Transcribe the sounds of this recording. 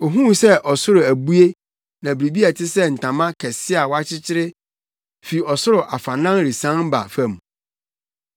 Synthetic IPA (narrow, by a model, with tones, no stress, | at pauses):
o˨ɦũ˦sɛ˦ʔɔ˨sʊ˦ɾʊ˨æ˨bu˦e˦ | nã˨bɾi˨bi˦a˨tʰɪ˦sɛ˦n̩˨tʰã˨mã˦kʰɛ˨sɪ˦a˨wɔ˦a˦t͡ɕʰɪ˦t͡ɕʰɪ˦ɾɪ˦ | fi˨ɔ˨sʊ˦ɾʊ˨ʔa˨fã˨nã˦nɾi˨sã˦n˦ba̰˨fã˦˨m˨